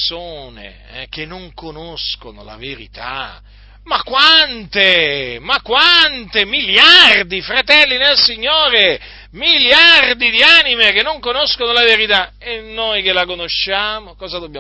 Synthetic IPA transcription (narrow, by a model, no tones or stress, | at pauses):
soːnḛ | ɛ̰kenːoŋkonoskono̰la̰veɾḭt̪a̰ | makːwant̪emakwant̪emiljard̪ifɾat̪ɛlːinelsiɲːoːɾe | miljard̪id̪iaːnimekenːõŋkonoskonolaveɾit̪a | enːojkelakonoʃːaːmokɔːzad̪obːja